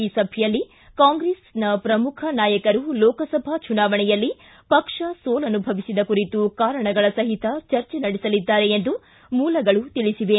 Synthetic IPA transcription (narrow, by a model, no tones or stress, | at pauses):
iːsɐbʱjɐlːi | kaːŋɡɾeːsnɐpɾɐmukʰɐnaːjɐkɐɾulɔːkɐsɐbʱat͡ʃunaːʋɐɳɛjɐlːi | pɐkʂɐsoːlɐnubʱɐʋisid̪ɐkuɾit̪ukaːɾɐɳɐɡɐɭɐsɐɦit̪ɐt͡ʃɐɾt͡ʃɛnɐɽisɐlid̪ːaːɾe̞end̪u | muːlɐɡɐɭut̪iɭisiʋe